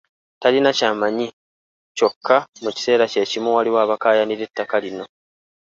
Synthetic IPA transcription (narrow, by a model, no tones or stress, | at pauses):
talinacaːmaɲi | co̞kʰːamuci̥se̞ːɾace̞ːcimuwaliwaːβakaːjaniɾetːakalino̞